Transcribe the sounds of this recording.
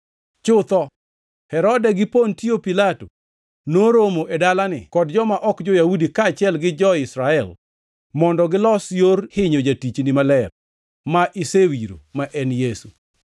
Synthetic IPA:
t͡ʃʊt̪ɔ | hɛɾɔdɛɡɪpontiopilato | noɾomoʔedalanɪ̰kɔdd͡ʒɔmaʔɔkd͡ʒɔjahudikaːt͡ʃɪɛlɡɪd͡ʒɔɪsɾaɛl | mɔndɔɡɪlɔsjorhɪɲod͡ʒatit͡ʃnɪmalɛr | maʔisewiɾo̰maʔɛnjesu

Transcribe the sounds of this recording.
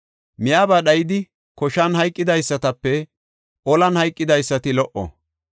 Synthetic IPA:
mɪjaːbɐɗɐjɪd̪ɪ | kɔʃɐnɦɐjkʼːɪd̪ɐjsːɐt̪ɐpːɛ | ʔɔlɐnhɐjkʼːɪd̪ɐjsːɐt̪ɪlɔʔɔ̰

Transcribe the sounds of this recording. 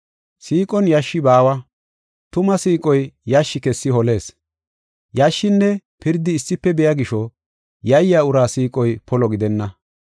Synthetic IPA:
siːkʼɔnjaʃːɪbaːwɐ | t̪ʊmɐsiːkʼɔjjɐʃːɪkɛsːɪhɔle̞ːs | jaʃːɪnːɛpɪɾd̪ɪːsːɪpːɛbɛjaɡɪʃɔ | jɐjːaːʊɾaːsiːkʼɔjpʰɔlɔɡɪd̪ɛnːɐ

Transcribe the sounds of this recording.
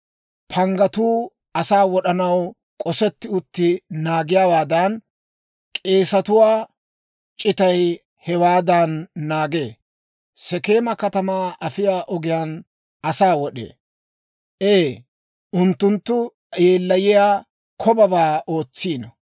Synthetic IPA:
pʰɐŋɡɐt̪uː | ɐsaːwɔɗɐnɐw | kʼɔsɛt̪ːɪʊt̪ːɪnaːɡɪjaːwaːd̪ɐn | kʼe̞ːsɐt̪ʊwaː | t͡ʃʼɪt̪ɐj | hɛwaːd̪ɐnːaːɡḛː | sɛke̞ːmɐkɐt̪ɐmaːʔɐfɪjaːʔɔɡɪjaːn | ɐsaːwɔɗḛː | ʔeː | ʔʊnt̪ːʊnt̪ːʊ | jeːlːɐjɪjaː | kʰɔbɐbaːʔo̞ːt͡sːiːnɐ

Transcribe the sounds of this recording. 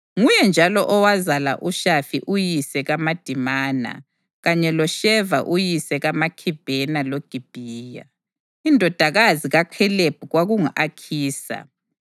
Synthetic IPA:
ŋujɛnd͡ʒʱalɔʔɔwazala̰ʔuʃafiʔujisɛɣamad̥ʱimaːna̰ | ɣaɲɛlɔʃɛvaʔujisɛɣamakʰib̥ʱɛnaloɡ̥ʱib̥ʱiːja̰ | indʱɔd̥ʱaɣaziɣaǃʰɛleb̥̚ʱuɣwaɣuŋaʔakʰiːsa̰

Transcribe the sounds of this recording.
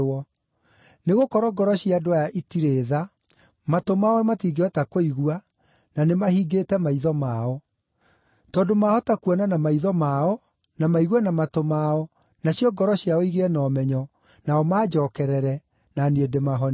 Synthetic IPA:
ɔ | neɣokɔɾɔɡɔɾɔɕiadoajaʔitiɾeːða | matomaɔwɛmatiːɡeɔtakoiɣua | nanemahiɡetɛmaiðɔmaɔ | tɔːndomahɔtakuwɔnanamaiðɔmaɔ | namaiɣwɛnamatomaɔ | naɕjɔɡɔɾɔɕjaɔiɣeɛnɔːmɛɲɔ | naɔmaːd͡ʒɔːkɛɾɛɾɛ | naniedemaɦɔn

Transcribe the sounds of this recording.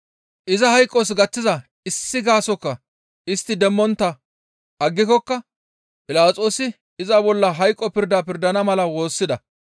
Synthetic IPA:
ʔɪzɐhɐjkʼːɔs̬ɡɐtːɪzɐ | ɪsːɪɡaːsɔkːɐ | ɪst̪ːɪd̪ɛmːɔnt̪ːɐ | ʔɐɡːɪkɔkːɐ | pʼɪlaːt͡sʼoːsɪ | ɪzɐbɔlːɐɦɐjkʼːɔpɪɾd̪apɪɾd̪ɐnɐmɐlɐwo̞ːsːɪd̪ɐ

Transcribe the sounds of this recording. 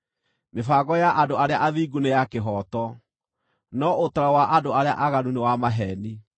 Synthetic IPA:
mefaːɣɔjaʔadoaɾeaʔaðiːɡunejakeɦɔtɔ | nɔʔotaɾawaʔadoaɾeaʔaɣanunewamaɦɛni

